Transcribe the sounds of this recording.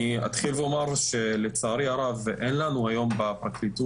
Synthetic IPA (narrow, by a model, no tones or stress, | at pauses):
a̰t̪χilveo̞maʁʃe̞let͡saːɾiaʁavʔenlanuajo̞mbapʁaklit̪u